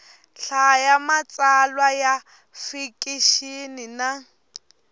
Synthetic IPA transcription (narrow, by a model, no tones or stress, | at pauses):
ɬajamat͡sʼalwaja | fikʼiʃinina